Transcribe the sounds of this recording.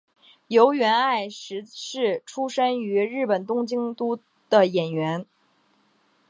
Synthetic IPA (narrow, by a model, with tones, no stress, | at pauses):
jo˧˥ʊɥɛ˧˥na˥˩ɪʂɻ̩˧˥ʂɻ̩˥˩ʈ͡ʂʰu˥ʂə˥ny˧˥ɻɻ̩˥˩pə˨˩nt̪ʊ˥ŋt͡ɕi˥ŋt̪u˥ | d̪̥ə˨˩jɛ˨˩nɥɛ˧˥n